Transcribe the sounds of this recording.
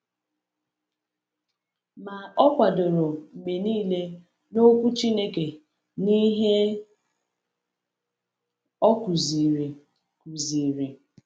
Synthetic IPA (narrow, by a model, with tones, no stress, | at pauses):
ma˨ɔ˦kʷa˨do˨ɾo˨m̩˨me˨niː˦le˦ | no˦kʷu˦t͡ʃi˦ne˦ke˨ | ni˦ɦe˦ | ɔ˦ku˨zi˨ɾi˨ | ku˨zi˨ɾi˨